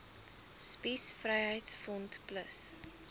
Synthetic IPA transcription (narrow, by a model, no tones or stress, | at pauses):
spisfrɛjɦəjtsfɔntpləs